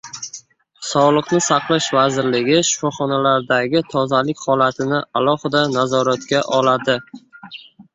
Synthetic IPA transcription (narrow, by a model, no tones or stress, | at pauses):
sɒʁlˠɨqnɪsɑqlˠaʃvazɪɾlɪɡʲɪʃʊ̥fɒχɒnalaɾd̪aɡʲɪt̪ʰɒzalɪkʲhɒlat̪ʰɪnɪalˠɒhɪd̪anazɒɾat̪kʲaʔɒlad̪ɪ